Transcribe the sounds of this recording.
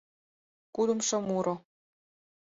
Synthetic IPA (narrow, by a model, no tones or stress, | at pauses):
kud̪ə̆mʃɤ̆muɾo